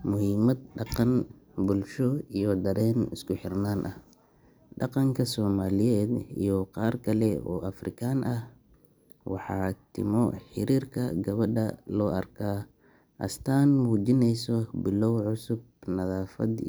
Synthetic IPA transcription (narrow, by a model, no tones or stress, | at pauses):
mʊɦiːmɐd̪̚ɖɑqɑn | bʊlʃɔijɔd̪ɐɾɛːnɪ̰skʊħɪrnaːnʔɐh | ɖɑqɑŋkʰɐsɔːmaːlɪjɛːd̪ḭjɔqɑːrkʰɐlɛɔ̰ːɐfrɪ̰kʰaːnʔɐh | wɑ̰ħɑ̰ːt̪ʰɪ̰mɔħɪ̰ɾiːrkʰɐ̰ɡɐβɐɖɐlɔːʔɐ̰rkʰaː | ʔɐ̰st̪ʰaːnmuːd͡ʒɪnɛjsɔbɪlɔwʕʊsʊb̚ | nɐðaːfɐ̰d̪